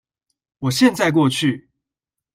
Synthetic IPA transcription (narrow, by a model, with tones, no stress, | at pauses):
wɔ˨˩ɕjɛ˥˧nt͡sa˥˧ɪk̬wɔ˥˧t͡ɕʰy˥˨